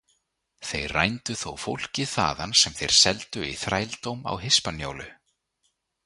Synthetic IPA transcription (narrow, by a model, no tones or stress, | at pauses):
θejra̰jnt̪ʏθowfowl̥cɪθa̰ːðansɛmθejɾ̥sɛlt̪ʏiθɾaːjlt̪owma̰wɦɪspanjowlʏ